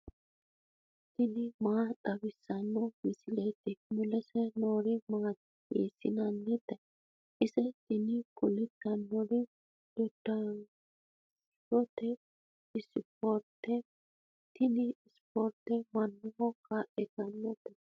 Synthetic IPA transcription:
t̪ɪnɪmaːᶑɐbɪsːɐnːɔmɪsɪlɛt̪ːɛmʊlɛsɛnoːɾɪmaːt̪ | ɡḛːsɪnɐnːɪt̪ːɛ | ɪsɛt̪ɪnɪɡʊlɪt̪ːɐnːɔɾɪ | d̥ɔd̪̥ːɐ | s | pɔt̪ɛ | ɪspɔɾt̪ɛ | t̪ɪnɪɪspɔɾt̪ɛmɐnːʊmɔkːɐʔɛɡɐnːɔt̪ɛ

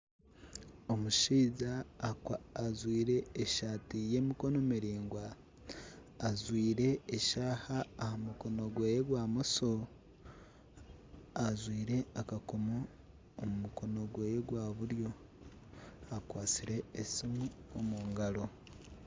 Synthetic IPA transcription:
omuʃiːzaaːzwiːɾe̞ːʃaːtije̞ːmiko̞no̞miɾiːŋɡwa | zwiːɾe̞ːʃaːhaːhamuko̞no̞ɡwejeɡwaːmoso | azwiːɾe̞akakomo | omumuko̞no̞ɡweːjeɡwaːβuɾjo̞ | akwaːt͡siɾe̞ːsimuomuːŋɡalo̞

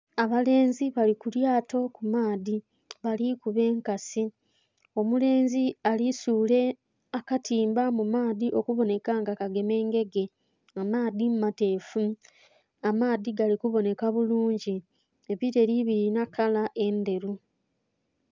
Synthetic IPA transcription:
aβale̞ːnziβalikuljaːto̞kumaːði | βalikuβe̞ːŋkasi | o̞mule̞ːnzialisuːle̞ | akatʰiːmbamumaːðiʔo̞kuβo̞ne̞kaŋɡakaɡe̞me̞ːŋɡe̞ɡe̞ | amaːðimumate̞ːfu | amaːðiɡalikuβo̞ne̞kaβuluːɲɟi | eβiɾe̞ɾiβiɾinakalaʔe̞nde̞ɾu

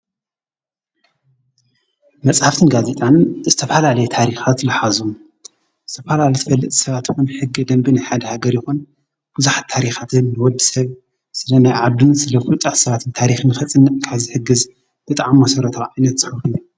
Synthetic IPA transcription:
mɐt͡sʼħaft̪ʰɨnɡaze̞t̪ʼanzɨt̪ʰɐfalalɐjut̪ʰaɾixat̪lɨħazu | zɨt̪ʰɐfalalɐjt̪ʰɐfɐlːɐt̪ʼi̥sɐβat̪jixunħɨɡːɨd̪ɐmbinaħad̪ɐhaɡɐɾjɪxun | b̥ɨzuħat̪ʰːaɾixat̪ʰɨnːɨwɔd̪ːisɐβ | sɨlɐnajʕad̪unsɨlɐfult͡sʼat̪sɐβat̪ʰɨnt̪ʰaɾixɨnɨxɐt͡sʼɨnːɐt̪ʼkʰaβzɨħɨɡɨz | b̥ɨt̪ʼʕamːɐsɐɾɐt̪ʰaʕajnɐt̪zɨxɐkɨju

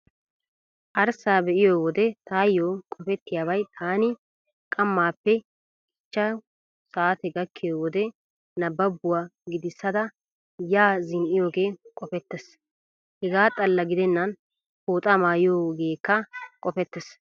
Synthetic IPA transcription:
ʔɐɾsaːbɛʔɪjoːwɔd̪ɛt̪aːjːoːkʼɔfɛt̪ːɪjaːbɐjt̪ʰaːnɪ | kʼɐmːaːpːɛ | ɪt͡ʃːɐ | saːt̪ɛɡɐkːɪjoːwɔd̪ɛ | nɐbːɐbːʊwaːɡɪd̪ɪsːɐd̪ɐ | jaːzɪnʔɪjoːɡe̞ːkʼɔfɛt̪ːɛs | hɛɡaːt̪ʼɐlːɐɡɪd̪ɛnːɐn | poːt̪ʼɐmaːjɪjoːɡe̞ːkːɐkʼɔfɛt̪ːɛs

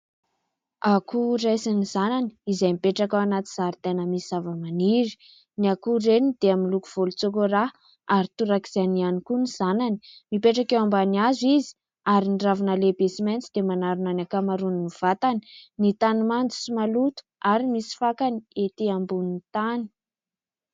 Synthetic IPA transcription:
akurajsinizanani̥izajmipeʈ͡ʂakawanat̪iz̥aɾit̪enəmisizavəmaniɾi̥ | niakuɾenid̪̥eaminlukuv̥olut͡sokora | aɾit̪uɾaki̥z̥anianikuniz̥anani̥mipeʈ͡ʂakewambaniazizi̥ | aɾiniɖ͡ʐavanalebesiment͡sid̪emanaɾunanakamaɾuniniv̥at̪ani̥nit̪animand͡zu̥simalut̪u̥aɾimisi̥fakaniet̪iambunit̪ani̥

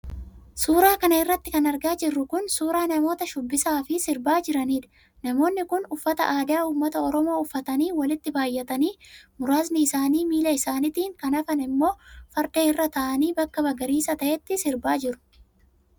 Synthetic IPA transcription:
suːɾaːkɐnɐɪrːɐt̪ːɪkɐnɐɾɡaːd͡ʒɪrːʊkʊnsuːɾaːnɐmo̞ːt̪ɐʃʊbːɪsaːfɪsɪɾbaːd͡ʒɪɾɐniːd̪ɐ̥ | nɐmo̞ːnːɪkʊnʊfːɐt̪ɐ̰ʔaːd̪aːuːmːɐt̪ɐɔɾɔmo̞ːʊfːɐt̪ɐniːwɐlɪt̪ːɪbaːjːɛt̪ɐniːmʊɾaːznɪɪsaːniːmiːlɐɪsaːnɪt̪iːŋkɐnɐfɐnɪmːo̞ːfɐɾd̪eːɪrːɐt̪ɐʔɐniːbɐkːɐbɐɡɐɾiːsɐt̪ɐʔɛt̪ːɪsɪɾbaːd͡ʒɪɾʊ̥

